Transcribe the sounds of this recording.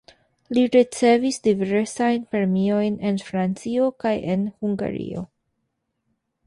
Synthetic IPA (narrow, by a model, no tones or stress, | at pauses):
liɾit͡se̞visdiveɾeɾsajnpɾeemio̞jne̞nfɾant͡sio̞kaje̞nhuŋɡa̰ɾḭo̰